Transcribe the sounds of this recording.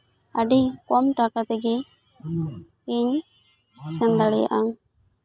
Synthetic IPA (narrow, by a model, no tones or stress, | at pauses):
aɖikɔmʈakat̪ɛɡɛ | eɲ | sɛnd̪aɽɛja̰ʔa